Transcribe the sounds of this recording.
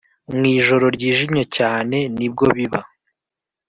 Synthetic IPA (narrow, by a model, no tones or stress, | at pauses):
mŋiːʒo̞ɾo̞ɾɟiːʒimɲe̞caːne̞nib̚ɡo̞βiβa